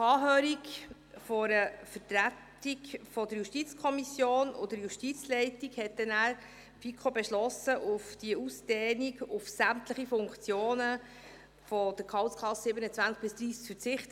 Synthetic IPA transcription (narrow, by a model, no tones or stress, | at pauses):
ɑːɦøːɾik | fɔɾəfətɾæt | ikfɔdəɾjuʃtit͡skʰɔmisjoːno̰dəɾjuʃtit͡slɛɪtiɡhɛt̚dɛnæːɾ | fikʰχobeʃlɔsəʔʊfd̥iəusd̥ɛːniɡʊfsæmtləχifʊŋkt͡sjoːnə | fɔd̥əkʰɑʊskʰlɑssɪbənət͡svænt͡sk̚b̥ɪsd̥̪ɾiːskfəɾt͡sɪχt